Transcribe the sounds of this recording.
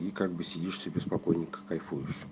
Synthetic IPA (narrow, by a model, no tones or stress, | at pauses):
ikaɡ̚bɨsʲɪdʲiʂsʲəbʲɪspɐkojnʲɪkə̥kɐjfujʉɕːɪ̥